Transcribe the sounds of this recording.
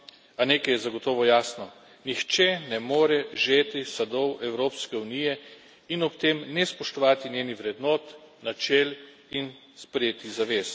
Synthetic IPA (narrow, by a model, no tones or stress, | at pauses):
aneːkɛjɛzaɡɔt̪ɔːʋɔjaːsnɔ | nixt͡ʃɛnɛmoːɾɛʒet̪isad̪ɔwɛwɾoːpskɛuniːjɛ | inɔpt̪eːmnɛspɔʃt̪ɔʋaːt̪inʲjeːniʋɾɛd̪nɔːt̪nat͡ʃɛl | in | spɾɛjeːt̪izaʋeːs